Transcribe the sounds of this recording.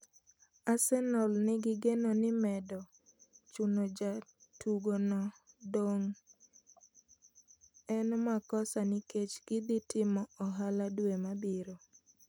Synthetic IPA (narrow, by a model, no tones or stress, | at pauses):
asɛnɔlnɪɡɪɡenonɪmɛdɔ | t͡ʃunod͡ʒatuɡonɔ | doŋ | ɛnmakɔsaniket͡ʃɡ̥ɪd̪itɪmɔɔɦaladwemabiɾo